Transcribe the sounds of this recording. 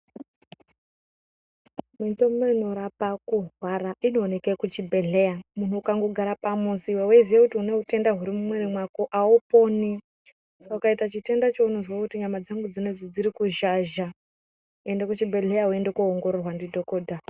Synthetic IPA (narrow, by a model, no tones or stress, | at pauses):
mintomeino̞ɾapakuɦwaɾaʔino̞ːne̞kekut͡ʃibʱe̞ɮe̞jamun̤uːkaŋɡoɡʱaɾapamusiweweiziʋekutiune̞ɦute̞ndaɦuɾimumweɾimwakoʔaupo̞ni | saukaitat͡ʃite̞ndat͡ʃounozwakutiɲamad͡zaŋɡud͡zine̞d͡zid͡ziɾikuʒaʒa | endekut͡ʃibʱe̞ɮe̞jaɦue̞ndekuoŋɡo̞ɾorwandidʱo̞koːdʱa